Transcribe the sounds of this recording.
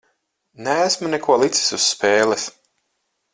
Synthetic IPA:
nɛæsmunɛkuɔlˠit̪si̥susːpeːlɛs

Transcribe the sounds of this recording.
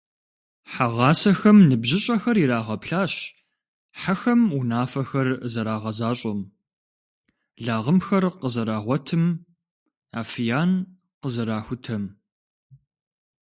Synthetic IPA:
ħaʁɑːsɐxɐmnɨbʑɪɕʼɐxɐriɾaːʁɐpɬaːɕ | ħaxɐmunaːfɐxɐrzɐɾaːʁɐzaːɕʼɐm | ɮaːʁəmxɐrqəzɐɾaːʁʷɔtʰɨm | a̰ːfijaːn | qəzɐɾaːxʷʊtʰɐm

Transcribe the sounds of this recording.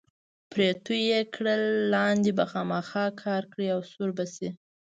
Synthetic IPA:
pɾet̪ujekɽəlːɑnd̪ebaxɑmaxɑkʰɑɾkɽiawsuɾbasi

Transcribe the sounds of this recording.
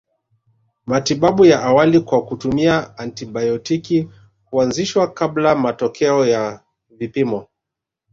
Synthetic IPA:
matiɓaɓujaʔawalikwakutumiaantiɓajɔtiki | kuanziʃwakablamatɔkʰɛɔja | vipimɔ

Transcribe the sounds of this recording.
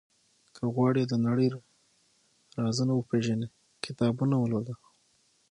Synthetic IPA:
kʰəɣwɑɽed̪ənaɽəjɾ | ɾɑzənawəpeʒane | kɪt̪ɑbunawəlod̪a

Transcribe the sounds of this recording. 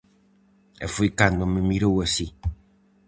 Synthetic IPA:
ɛ̰fuikaŋdoməmiɾowosi

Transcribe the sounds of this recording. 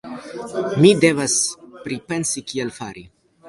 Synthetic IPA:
mide̞vaspɾipe̞nsikielfaɾi

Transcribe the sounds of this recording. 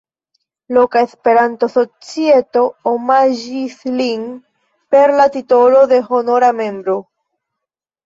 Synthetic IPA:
lo̞kaespe̞ɾanto̞so̞t͡sie̞to̞omaʒislin | pe̞ɾlatito̞lo̞ðe̞ɦo̞no̞ɾame̞mbɾo̞

